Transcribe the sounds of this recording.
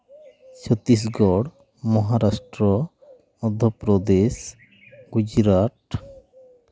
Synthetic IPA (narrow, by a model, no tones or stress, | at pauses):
t͡ʃʰɔt̪ːis̬ɡɔɽ | mɔɦaɾasʈɾɔ | mɔd̪ʱɔpɾɔd̪es | ɡud͡ʑɾaʈ